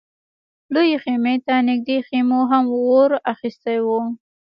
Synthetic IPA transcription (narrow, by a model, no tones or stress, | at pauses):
lojeximet̪anɪɡ̚d̪eximoɦamwoɾaxist̪ajwu